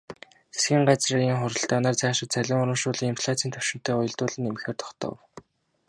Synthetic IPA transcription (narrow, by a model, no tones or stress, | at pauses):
t͡sʰe̥sxʲiːɴɢat͡sraːiŋχʊɾə̆ɬt̪aːnaːrt͡sæːʃɪ̆t̪t͡sʰæɮʲɪ̆ŋʊɾə̆mʃʊːɮiːŋimpʰɮat͡siːnt̪ʰɵwʃɪ̆m̥t̪eːʊjɞ̆ɮt̪ʊːɮɘ̆nemɘ̆xeːrt̪ʰɔ̥χt̪ʰɞ̰w